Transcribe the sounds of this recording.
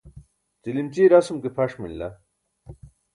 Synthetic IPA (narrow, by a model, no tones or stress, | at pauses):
t͡silimt͡ɕiːɾɐsumkepʰɐʂmḭllɐ̰